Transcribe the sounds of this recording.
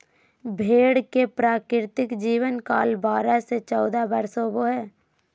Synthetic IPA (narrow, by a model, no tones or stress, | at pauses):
bʱeːɽkepɾaːkɾɪɾt̪ɪkd͡ʒiːʋənkaːlbaːɾaset͡ʃɔːd̪abɐɾsoboɦɛː